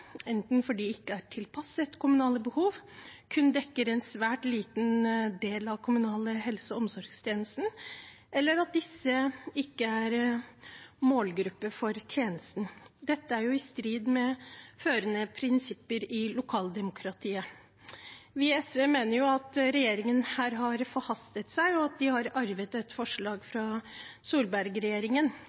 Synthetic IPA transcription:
ɛnt̪n̩fɔɖiɪkːəæʈʰɪlpʰɑsət̪kʰʊmʉnɑːləbəhuːʋkʰʉnd̪ɛkːəɾɛnsʋæːʈliːt̪nd̪eːlɑʋkʰʊmʉnɑːləhɛlsəɔmsɔɾɡst̪ʰjeːnəst̪n̩ | ɛlːəɾɑt̪̚d̪ɪsːəɪkːəæɾ | moːlɡɾʉpːəfɔɾt̪ʰjeːnəst̪n̩d̪ɛt̪ːəæɾjʊɪst̪ɾiːd̪mɛføːɾənəpʰɾɪnsɪpːəɾɪlʊkʰɑːld̪ɛmʊkʰɾɑt̪ʰiːə | ʋɪɛsʋeːmeːnəɾjʊɑt̪ɾɛjeːɾɪŋənhæːɾɦɑɾfɔɾhɑst̪ət̪sæɪɔɑt̪̚d̪ɪhɑɾɑɾʋət̪ɛt̪fɔʂɭɑːɡfɾɑsuːlbæɾɡɾɛjeːɾɪŋən

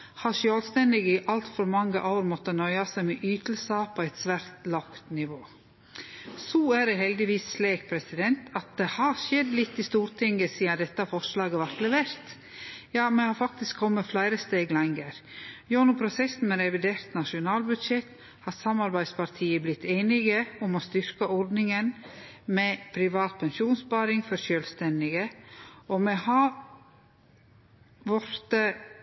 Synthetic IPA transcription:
hɑʂøːlst̪ɛnd̪ɪɡɪʔɑlt̪fɔɾmɑŋːəʔaʊɾmɔt̪ːənœʏɑsæɪmɛʔyːt̪əl̩sɑpʰɔɛɪt̪sʋæɾt̪lɑkt̪nɪʋoː | sɔæɾɛhɛld̪ɪʋiːsːleːk̚pʰɾɛsɪd̪ɛnt̪ɑt̪̚d̪ɛhɑʃɛd̪lɪt̪ːɪst̪uːɾt̪ʰɪŋɡəsiːɑd̪ɛt̪ːɑfɔʂlɑːɡəʋɑɾt̪lɛʋeːɾt̪ | jɑːmɛhɑːɾfɑk̚t̪ɪskkʰɔmːəflæɪɾəst̪eːɡlɑŋɡəɾjonʊpʰɾʊsɛsn̩mɛɾɛʋɪd̪eːɾt̪nɑʂʊnɑːlbʉd̪ʃɛt̪ː | hɑt̪sɑmɑɾbæɪd̪spɑɾt̪ʰiːəblɪt̪ːeːnɪɡəɔmɔst̪ʏɾkəʔɔɾd̪nɪŋən | mɛpʰɾɪʋɑːt̪̚pʰɛnʃuːnspɑːɾɪŋfɔɾʃøːlst̪ɛnd̪ɪɡəɔmɛhɑɾ | ʋɔɾt̪ə

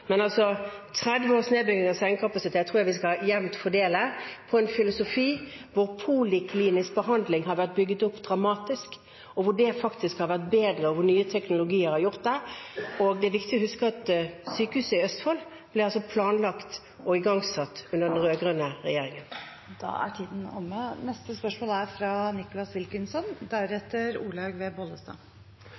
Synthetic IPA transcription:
mɛnɑlsɔt̪ʰʁɛd̪ʋəoːsneːbʏɡnɪŋɑsæɪŋkʰɑpɑsɪt̪ʰeːt̪ʰːʁuːjæʋɪskɑjɛlmt̪fɔɖeːləpʰɔɛnfɪlʊsʊfiːʋʊʁpʰuːlɪkʰliːnɪsbəhɑnd̪lɪŋɦɑɾʋæʁt̪̚bʏɡːət̪ʊpːd̪ɾɑmɑːt̪ɪsk | ɔʋʊɖɛfɑkt̪ɪskhɑɾʋæʁt̪̚beːd̪ɾəɔʋʊnyːət̪ʰɛknʊlʊɡiːəɾhɑɾjʊʁt̪̚d̪ɛɔɡd̪ɛæʋɪkt̪ɪɔhʉskəɑt̪syːkəhʉːsəɪœst̪fɔlː | b̥lɪɾɑlsɔpʰlɑːnlɑkt̪ | ɔɪɡɑŋsɑt̪ːʉnəʁɖɛnɾøːɡɾənəʁɛjeːɾɪŋən | d̪̥ɑ̰ːæ̰ʈʰiːd̪n̩ɔ̰mːənɛst̪əspœʂmoːlæɾfɾɑnɪkʊlɑsʋɪlkənsɔnd̪æɾɛt̪ːəɾuːlɑɡʋeːbɔləst̪ɑ̰ː

